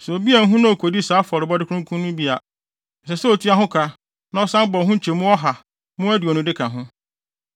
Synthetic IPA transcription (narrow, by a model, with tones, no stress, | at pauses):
sɛ˨o˨bi˦æ˨˦ɦũ˦nã˦o˨kʰo˨di˦saː˨˦fɔ˨ɾɪ˨bɔ˦dɪ˦kʰʊ̃˦ŋkʰũ˦nʊ̃˦bi˦a˨ | n̩˨sɛ˨sɛ˦o˨tʰi˦a˦ɦʊ̃˦kʰa˦ | nã˦ɔ˦sã˦m˦bɔ˨˦ɦũ˦t͡ɕʰe˨mʊ̃˦ɔ˦ɦa˨ | mʊ̃˦æ˦di˨ɔ˨nʊ̃˨dɪ˦kʰã˨ɦʊ̃˦